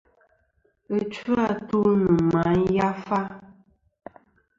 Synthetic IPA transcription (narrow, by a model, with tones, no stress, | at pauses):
ə˦t͡ʃu˦a˦tu˦nɨ˨ma˨˦n˦ja˦fa˦